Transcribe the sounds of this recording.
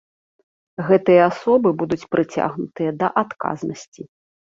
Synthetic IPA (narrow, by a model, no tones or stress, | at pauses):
ɣɛt̪ɨjɐasɔbɨbud̪ut͡sʲpɾʔɨt͡sʲa̰ɣnut̪ɨjɐd̪ɐʔat̪ka̰znɐsʲt͡sʲi